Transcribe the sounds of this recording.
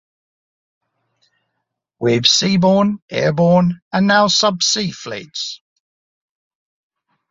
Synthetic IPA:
wɪv̥siːbɔːnʔɛːəbɔːnə̃nːaʊsʌbsiːflḭːˑts

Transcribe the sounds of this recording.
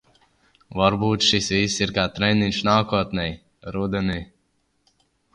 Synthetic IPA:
vaɾbuːt̪ʃisviːsːiɾkaːt̪ɾɛninʃnaːkuɔt̪nʲɛj | ɾud̪ɛni

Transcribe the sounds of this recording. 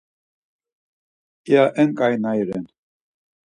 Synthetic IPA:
jaʔɛŋkʼajnajɾɛn

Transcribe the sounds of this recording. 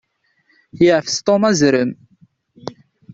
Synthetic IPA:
jəʕfst̪ˤomæzɾəm

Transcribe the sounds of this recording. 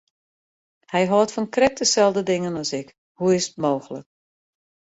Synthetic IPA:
hɛjɦoːtfɔnkrɛk̚təsɛlˠdədɪŋənɔsɪk | huɪsə̥tmoːxələ̰k̚

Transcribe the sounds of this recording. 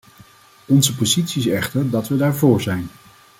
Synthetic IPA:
ɔnzəpozitsiɪsɛχtəɹdɑtʋədaːɹvʊːɹzɛjn

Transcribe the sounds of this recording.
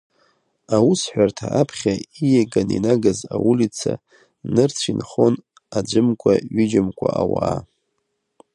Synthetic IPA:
awusħʷᶣartʰaʔapʰχʲaijeɡaninaɡazawulit͡sʰa | nɨrt͡sʷʰinχo̞n | ad͡ʒʷɨmkʷʼaɥid͡ʒɪmkʷʼaawaː

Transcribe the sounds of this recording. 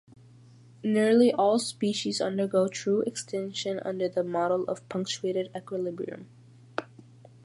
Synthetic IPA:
niɹliʔɔlˠspiʃizʌ̰̃ndə˞ɡoʊtʰɹ̥uʔɛkstʰɛ̃nʃɨ̃nʔʌ̰̃ndə˞ðəmɑɾl̩ˠʌ̰v̥pʰʌ̃ŋk̚t͡ʃueɪɾɨɾɛkwəlɪbɹḭɨ̰̃m

